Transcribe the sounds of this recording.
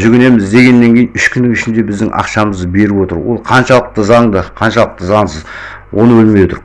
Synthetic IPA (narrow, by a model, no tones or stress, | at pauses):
ʒʏɡʲɪne̞mɪzd̪e̞ɡʲe̞nːe̞ŋkʲʰe̞jnʏʃkʲʰʏnːɪŋʏʃɪnd̪e̞bɪzd̪ɪŋʔɑ̰qʃɑməzd̪be̞ɾɪpwo̞t̪əɾwo̞̰lˠqʰɑnʃɑlˠəq̚t̪əzɑɴd̪əqʰɑnʃɑlˠəq̚t̪əzɑɴsəz | wo̞nəwɵlmejwot̪ə̰ɾ